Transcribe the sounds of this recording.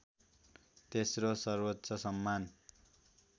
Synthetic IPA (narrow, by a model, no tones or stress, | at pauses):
t̪esrosʌrwʌt̪sʌsʌmːan